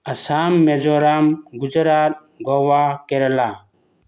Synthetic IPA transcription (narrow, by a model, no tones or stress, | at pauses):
ɐsaːmːed͡ʒoːɾamɡud͡ʒɾaːt̪̚ | ɡɔʋaːkeɾlaː